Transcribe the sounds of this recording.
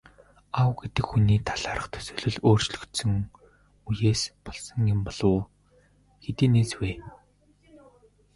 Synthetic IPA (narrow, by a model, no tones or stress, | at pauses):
awɡet̪ɘ̆kxuniːt̪ʰaɮaːɾə̆χt̪ʰɵ̥sɵ̥ːɮɵ̆ɮoːr̥t͡ɕɮɵ̆kt̪sɵ̆ŋ | ujeːspɔɮsɞ̆ŋjempɔɮʊː | xet̪iːneːsweː